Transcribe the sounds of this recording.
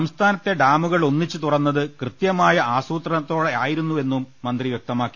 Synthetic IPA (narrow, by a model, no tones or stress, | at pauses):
ɐmst̪ʰaːnɐt̪ːe̞ɖaːmuɣɐɭo̞nːit͡ɕːɨt̪urɐnːɐðɨkrɨt̪jɐmaːjɐʔaːsuːt̪rɐnɐt̪ːo̞ːɽeaːjiɾunːue̞nːumːɐnd̪riʋjek̚t̪ɐmaːkːi